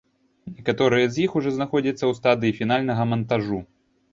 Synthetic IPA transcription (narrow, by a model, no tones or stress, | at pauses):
nʲɛkat̪ɔɾɨjɐzʲjixuʐɔznaxɔd͡zʲɐt̪sːɐwst̪ad̪ɨifʲin̪alʲnɐɣɐmɐnt̪aʐu